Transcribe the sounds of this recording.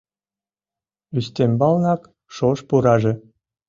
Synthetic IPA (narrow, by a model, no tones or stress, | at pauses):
yst̪embɑlnɑk | ʃoʃpuɾɑʒĕ